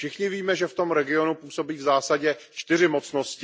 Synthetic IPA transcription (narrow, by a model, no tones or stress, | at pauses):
fʃɪxɲɪviːmɛʒɛft̪o̞mɾɛɡɪo̞nupuːso̞biːvzaːsaɟɛ | t͡ʃt̪ɪrɪmo̞t͡sno̞scɪ